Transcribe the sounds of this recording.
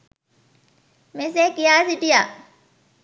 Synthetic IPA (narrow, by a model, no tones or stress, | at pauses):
mes̬eːkɪjaːsɪʈijaː